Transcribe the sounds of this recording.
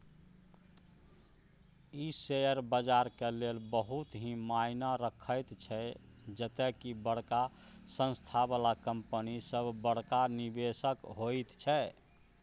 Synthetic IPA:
isejəɾbəd͡ʒaɾkelelbəɦut̪ɦĩmajnaɾəkʰəjt̪t͡ʃʰɛd͡ʒət̪ɛkibəɽkasə̃nst̪ʰabalakəmpənisəbʱbəɽ̤kanibesəkɦojt̪t͡ʃʰɛ

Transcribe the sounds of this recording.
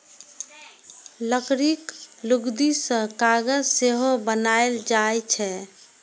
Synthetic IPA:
ləkɾikluɡd̪isə̃kaɡəd͡ʒseɦobənaeld͡ʒaet͡ʃʰɛ

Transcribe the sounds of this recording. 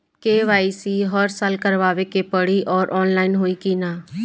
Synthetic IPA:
keːʋaːiːsiːɦəɾsaːlkəɾʋaːʋeːkepəɽiːʔɔːɾʔɔːnlaːinɦoːiːkiːnaː

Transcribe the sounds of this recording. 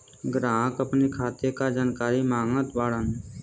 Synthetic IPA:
ɡɾãːkəpnikʰaːt̪ekad͡ʒaːnkaːɾimaːŋət̪ʋaːɽən

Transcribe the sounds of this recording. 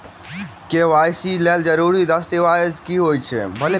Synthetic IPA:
keʋaːjsileːld͡ʒəɾuːɾid̪ɐst̪iʋaːd̪kiɦoːit͡ʃʰḛbʱɐle

